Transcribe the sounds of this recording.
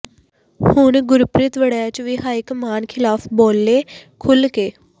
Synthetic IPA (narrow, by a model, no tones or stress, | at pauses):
hʊɳɡʊɾpɾɪt̪ʋəɽjaːt͡ʃʋɪɦaːikmaːnkʰɪlaːpʰbɔːlːeːkʰʊlkeː